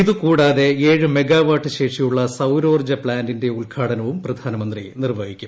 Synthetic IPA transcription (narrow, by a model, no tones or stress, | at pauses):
iðukuːɽaːðe̞eːɻɨme̞ɡaːʋaːʈʰːɨɕe̞ːʂijuɭːɐsɐwɾo̞ːrd͡ʑɐpɭaːndinde̞uɭkʰaːɽɐnɐʋumprɐd̪ʱaːnɐmɐnd̪rinirʋɐɡʱikʲːum